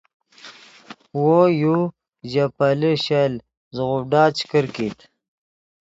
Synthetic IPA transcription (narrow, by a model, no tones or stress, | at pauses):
woju | ʑapaləɕal | zɣuɖaːt͡ɕkəɾkit̪